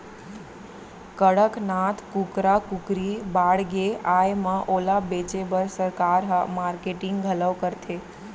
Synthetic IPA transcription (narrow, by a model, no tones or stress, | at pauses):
kəɽəknat̪ʰkukɾakʊkɾibaɽɡeajmãʔolabet͡ʃebəɾsəɾkaɾɦmaɾkeʈɪŋɡɡʱələʋkəɾt̪ʰe